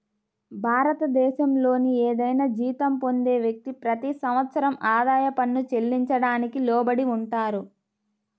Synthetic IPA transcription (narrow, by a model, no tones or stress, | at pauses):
bʱaːɾɐt̪ɐd̪ɛːʃɐmlo̞ːnieːd̪ɐjnaːd͡ʒiːt̪ɐmpo̞nd̪eːʋjɐk̚t̪ipɾɐt̪isɐmʋɐt̪sɐɾɐmaːd̪aːjɐpɐnːut͡ʃe̞lːiɲt͡ʃɐɽaːnikilɔːbɐɽiuɳʈaːɾu